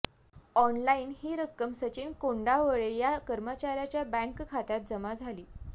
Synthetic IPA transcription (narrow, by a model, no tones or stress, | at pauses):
ɔnlaiːnɦiːɾəkːəmsət͡ɕiːnkoɳɖaʋəɭejakəɾmət͡ɕaɾjat͡ɕjabə̃ŋkkʰat̪at̪̚d͡zəmad͡zʱaliː